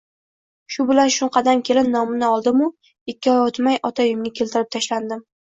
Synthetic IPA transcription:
ʃʊbɪlanʃʊɴqʰɑd̪amkʲʰe̞lɪnːɒmɪnɪɒlˠd̪ɪmʊ | ɪkʲːɪɒjot̪majʔɒt̪ʰajʊmɡʲɪkʲʰe̞lt̪ʰɪɾɪp̚t̪ʰaʃland̪ɪm

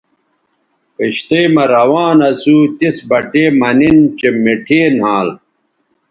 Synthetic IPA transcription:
peɕt̪eːmɐɾɐwaːnɐsut̪isbɐʈeːmɐnint͡ɕemeʈʰeːnɦãːl

